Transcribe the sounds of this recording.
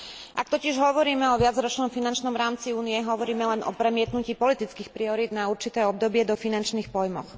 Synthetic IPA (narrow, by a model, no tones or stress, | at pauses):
ʔa̰k̚t̪ɔcɪɛʒɦɔʋɔɾiːmɛɔʋɪad͡zɾɔt͡ʃnɔmfinant͡ʃnɔmɾaːmt͡siuːnijɛɦɔʋɔɾiːmɛlɛnɔ̰pɾɛmɪɛt̪nuciːpɔlit̪it͡skiːxpɾiɔɾiːd̪nauɾt͡ʃit̪ɛːɔb̚d̪ɔbɪɛd̪ɔfinant͡ʃniːxpɔjmɔ̰x